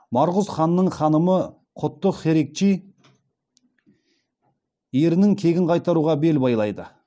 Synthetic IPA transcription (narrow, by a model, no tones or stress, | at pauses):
mɑɾʁʊzχɑnːəɴχɑnəmə | qʰʊt̪ːəχeɾe̞k̚t͡ʃij | e̞ɾɪnɪŋkʲʰe̞ɡʲɪɴqʰɑjt̪ɑɾuʁɑbe̞lbɑjlˠɑjd̪ə